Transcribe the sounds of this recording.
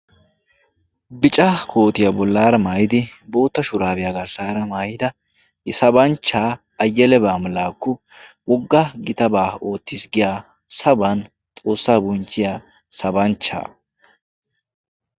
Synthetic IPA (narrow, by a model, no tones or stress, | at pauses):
bɪt͡ʃʼɐkʰo̞ːt̪ɪjabɔlːaːɾɐmaːjɪd̪ɪbo̞ːt̪ːɐʃʊɾaːbɪjaɡɐɾsaːɾɐmaːjɪd̪ɐ | ɪsɐbɐnt͡ʃːaː | ɐjːɐlɛbaːmɐlaːkːɔ | wɔɡːɐɡɪt̪ɐbaːo̞ːt̪ːɪsɡɪjaː | sɐbɐn | t̪ʼo̞ːsːaːbʊnt͡ʃːɪjaː | sɐbɐnt͡ʃːa̰ː